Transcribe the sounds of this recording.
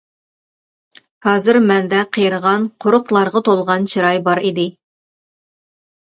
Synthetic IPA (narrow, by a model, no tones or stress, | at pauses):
hɑːzɨɾmɛnd̪ɛqʰəjɾəʁɑnqʰoɾʊqlˠɑɾʁɑt̪ʰolˠʁɑnt͡ʃʰiɾɑjbɑɾid̪ɪ